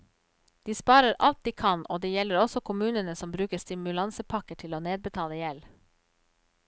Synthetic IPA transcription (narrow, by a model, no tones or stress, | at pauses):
d̪̥iːspɑːɾəɾʔɑ̰lt̪̚d̪iːkʰɑnʔoːd̪eːjɛləɾɔsɔkʰʊmʉːnənəsɔmbɾʉːkəst̪ɪmʉlɑnsəpʰɑkəʈʰɪloːneːd̪̚bət̪ʰɑːləjɛl